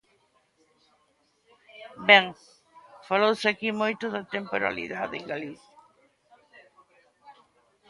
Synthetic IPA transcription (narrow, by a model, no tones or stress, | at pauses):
beŋ | falowseakimojt̪oðat̪empoɾa̰lḭðaðeŋɡaliθja